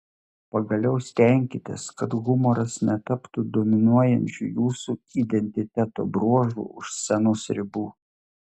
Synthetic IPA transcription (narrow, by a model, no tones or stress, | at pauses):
pɐɡɐlʲɛʊsʲt̪ʲɛˑŋʲkʲɪt̪ʲɪskɐt̪ɣʊmɔɾɐsnʲɛt̪ɐpt̪ud̪oːmʲɪnuɔjɛnʲt͡ʃʲṵːjuːsuːid̪ʲɛnʲt̪ʲɪt̪ʲæt̪o̰ːbɾuɔʒṵːʊʃsʲɛnosʲɾʲɪbuː